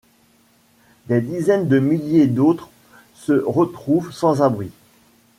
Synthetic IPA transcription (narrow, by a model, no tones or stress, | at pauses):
d̪ed̪izɛnd̪əmiljed̪ot̪χ | səʁət̪χuvsɑ̃zabʁi